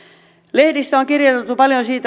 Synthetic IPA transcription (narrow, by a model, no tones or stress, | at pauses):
lehdisːæoŋkirjot̪et̪ːupɑljonsiːt̪